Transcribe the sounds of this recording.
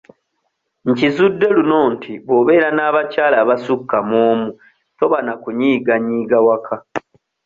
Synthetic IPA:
ɲcizudːe̞luno̞ːntʰiβoβe̞ːɾanaːβacaːlaːβasukːamoːmu | to̞βanakuɲiːɡaɲiːɡawakʰa

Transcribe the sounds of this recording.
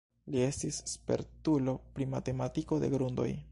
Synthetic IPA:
lie̞stisːpe̞̰ɾtulo̞pɾimate̞matiko̞de̞̰ɡɾundo̞̰j

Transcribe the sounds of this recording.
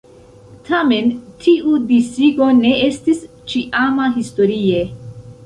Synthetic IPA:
tʰame̞ntʰiudisiɡo̞ne̞estis | t͡ʃiʔamaɦisto̞ɾie

